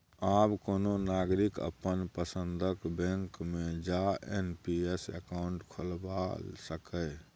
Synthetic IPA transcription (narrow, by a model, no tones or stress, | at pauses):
aːbkoːnonaːɡɾɪkə̰pənpəsə̃nd̪ʱəkbẽŋkmẽd͡ʒaḛnpiesə̰kaʊɳʈkʰolbasəkə